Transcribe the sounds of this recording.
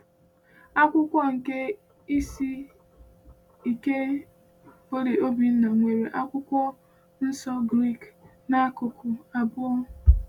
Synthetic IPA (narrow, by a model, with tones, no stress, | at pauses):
a˦kʷʊ˦kʷɔ˦ŋ̩˨ke˦ | i˦si˦ | i˨ke˦ | bo˦ɾi˨ʔo˦bi˨n̩˦na˨ŋʷe˨ɾe˨ʔa˦kʷʊ˦kʷɔ˦ | n̩˦sɔ˦ɡɾi˦˨k | na˦kʊ˨kʰʊ˨a˨bʊ˦ɔ˦